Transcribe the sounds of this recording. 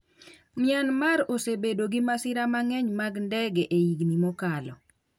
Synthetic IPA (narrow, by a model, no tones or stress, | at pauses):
mɪanmaɾosebedoɡimasɪɾamaŋɛɲmaɡndɛɡɛʔejiɡnimɔkalɔ